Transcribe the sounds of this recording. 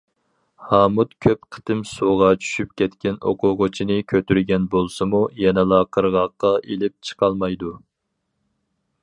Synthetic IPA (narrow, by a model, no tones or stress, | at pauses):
hɑːmut̪kʲʰøpqʰə̥t̪ɪmsoʁɑt͡ʃʰy̥ʃyp̚kʲɛt̪kʲɛno̰qʰʊʁot͡ʃʰinɨkʲʰøt̪yɾɡʲɛnbolˠsɨmujɛnɛlˠɑqʰəɾʁɑqːɑʔelɪp̚t͡ʃʰə̥qʰɑlˠmɑjd̪u